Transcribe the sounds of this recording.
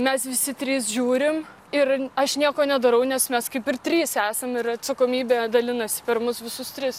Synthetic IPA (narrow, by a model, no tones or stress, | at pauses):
mʲɛsʋʲɪsʲɪt̪ʲɾʲiːsʒʲuːɾʲɪm | ɪrɐʃnʲiɛkoːnʲɛd̪ɐɾɐʊnʲɛsmʲɛskɐɪpɪrt̪ʲɾʲiːsæːsɐmɪɾɐt̪sɐkoːmʲiːbʲeːd̪ɐlʲɪnɐsʲɪ̥pʲɛrmʊsʋʲɪsʊst̪ʲɾʲɪs